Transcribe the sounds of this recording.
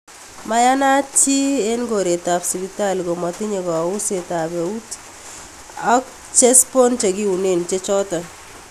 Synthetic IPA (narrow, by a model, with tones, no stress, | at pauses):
ma˦ja˦na˦t͡ʃi˦e˦nɡo˨ɾe˨ta˨psi˨bi˦ta˦˨lɡo˨mɔ˨tɪ˦ɲe˨ɡɔ˨ʊ˦se˨ta˨be˨u˦t | ɔ˦k | t͡ʃe˦spo˦nt͡ʃe˨ɡi˦u˨ne˦˨nt͡ʃe˦t͡ʃɔ˦ta˨